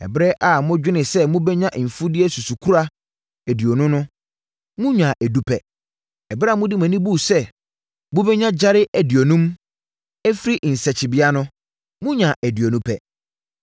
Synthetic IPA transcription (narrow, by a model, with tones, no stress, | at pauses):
ɛ̰˨bɾɛ˦ʔa˨mʊ̃˦d͡ʑᶣɪ˦nɪ̃˨sɛ˦mʊ̃˦bɛ˦ɲã˦ʔm̩˨fu˦dɪ˦ɛ˦su˨su˨kʰu˦ɾa˦ | æ˨di˨o˨nʊ̃˦nʊ̃˦ | mʊ̃˦ɲᶣã˨ʔæ˨du˦pʰɛ˨ | ɛ˨bɾɛ˦a˨mʊ̃˦di˦mã˨nĩ˦bu˦˨sɛ˦ | mʊ̃˦bɛ˦ɲã˦d͡ʑa˦ɾɪ˦ʔæ˨di˨o˨nũ˦m | ɛ˦fɾi˦ʔn̩˨sɛ˨t͡ɕʰɪ˨bi˦a˦nʊ̃˦ | mʊ̃˦ɲᶣã˨ʔæ˨di˨o˨nũ˦pʰɛ˨